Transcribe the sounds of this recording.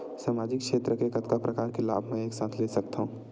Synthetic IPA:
saːmaːd͡ʒɪkʃeːt̪ɾəkekɐt̪kapɾɐkaːɾkela̰ːbʱmɛ̃eːksaːt̪ʰleːsɐkt̪aɦũː

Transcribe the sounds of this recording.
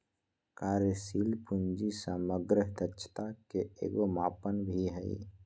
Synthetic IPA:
kaːɾəsilpund͡ʒisaməɡɾəɦd̪ətːt͡ʃʰt̪akeḛːɡomaːpənbʱiɦəḭ

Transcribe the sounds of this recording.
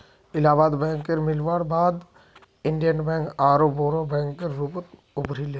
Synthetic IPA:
ɪlaːbaːd̪bɛ̃ːŋkːeɾmɪlʋaːɽbaːd̪ | ɪ̃ɳɖijənbɛ̃ːŋkaːɾoboːɾõbɛ̃ːŋkkeɾːuːpt̪ | ʊbɾileː

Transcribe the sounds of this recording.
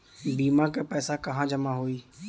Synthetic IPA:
biːmãkepɛːsakəɦãd͡ʒəmaɦoiː

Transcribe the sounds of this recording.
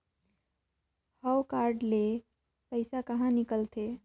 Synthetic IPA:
həwkaɾɖle | pəɪsakəɦãnikəlt̪ʰe

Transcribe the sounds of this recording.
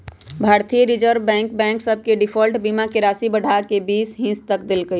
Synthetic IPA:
bʱaːɾt̪ijəɾid͡ʒəɾbɛ̃ːŋkbɛ̃ːŋksəb̚ʱkeɖɪpʰəlʈbimakeɾaːsibəɽʱakebiːsɦĩst̪ək̚d̪elɡəj

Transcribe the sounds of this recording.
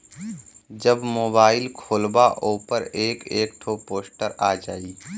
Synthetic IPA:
d͡ʒəbmoːbaːɪlkʰoːlbaʔoːpəɾeːkeːk̚ʈʰoːpoːsʈəɾaːd͡ʒaːiː

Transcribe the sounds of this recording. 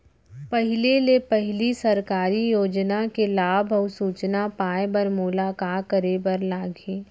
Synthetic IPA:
pɐɦɪlelepɐɦɪlisɐɾkaːɾijoːd͡ʒnakelaːbʱɔʊsuːt͡ʃnapaːebɐɾmulaːkaːkəɾebəɾlaːɡẽː

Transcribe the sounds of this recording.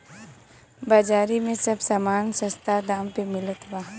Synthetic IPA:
bad͡ʒaːɾimẽsɐbsamaːnsɐ̃st̪ʰad̪aːmpemɪlət̪waː

